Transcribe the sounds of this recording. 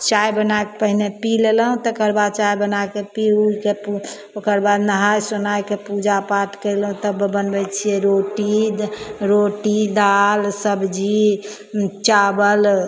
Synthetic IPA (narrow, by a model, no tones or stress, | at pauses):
t͡ʃajbənajkepəɦnepilelɦũt̪ɔkəɾbad̪̚t͡ʃajbənakepiuikepu | okəɾbad̪nəɦajsonajkepud͡ʒapaʈʰkəjlɦũt̪əbbənbɛt͡ʃʰiɛɾoʈid̪ɾoʈid̪alsəbd͡ʒi | t͡ʃabəl